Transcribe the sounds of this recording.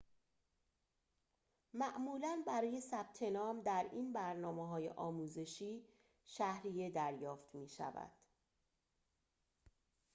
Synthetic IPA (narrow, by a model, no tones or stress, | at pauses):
mæʔmuːlænbæɾɒːje̞sæb̥̚t̪ʰe̞nɒːmd̪æɾiːnbæɾnɒːmeɦɒːje̞̰ʔɒːmuːze̞ʃiː | ʃæhɾije̞d̪æɾjɒːft̪ʰmiːʃæ̰væ̰d̪̥